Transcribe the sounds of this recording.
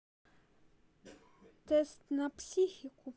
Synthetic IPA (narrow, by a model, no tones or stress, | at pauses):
t̪ɛst̪napsʲixikʊ